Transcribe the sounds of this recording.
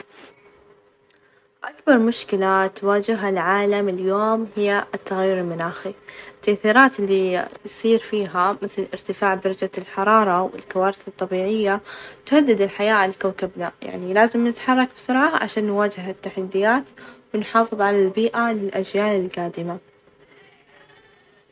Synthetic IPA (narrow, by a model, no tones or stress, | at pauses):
ʔakbɑɾˤmʊʃkɪlat̪waːd͡ʒɪɦalʕaːlamɪljoːmhɪjːat̪ːaɣajːʊɾɪlmʊnaːxiɪt̪ːaʔθiːɾaːt̪ɪlːisˤiːɾfiːɦamɪθlʔɪ̰ɾt̪ɪfaːʕd̪ɑɾˤɑd͡ʒalħɑɾˤɑːɾˤɑwɪ̰lkawaːɾɪθɨt̪ˤːɑbiːʕɪjːat̪ʊhad̪ːɪd̪ɪlħajaːʔalkawkabnaja̰ʕnilaːzɪmnɪt̪ħɑrˤːɑk̚bɪsʊɾʕaaʕa̰ʃaːnːwaːd͡ʒɪɦat̪ːaħad̪ːɪjaːt̪wɪnħɑːfɨðˤʕalalbiːʔalɪlʔad͡ʒjaːnɪlɡaːd̪ɪma